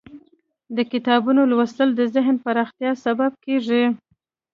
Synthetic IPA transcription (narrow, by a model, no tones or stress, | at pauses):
d̪əkɪt̪ɑbunolwəst̪əld̪əzɪɦnpaɾɑxt̪jɑsabab̚keʐi